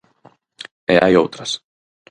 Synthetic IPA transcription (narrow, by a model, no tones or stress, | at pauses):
ea̰jowt̪ɾas